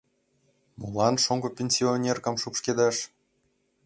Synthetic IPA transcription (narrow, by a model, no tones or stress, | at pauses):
mulɑnʃoŋkŏpʲenʲsʲionʲerkɑ̆mʃupʃked̪ɑʃ